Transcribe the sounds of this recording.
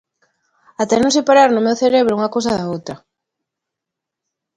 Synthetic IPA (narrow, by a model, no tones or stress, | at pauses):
at̪enõsepaɾaɾnʊmewθeɾeβɾʊuŋɐkows̬ɐðaowt̪ɾɐ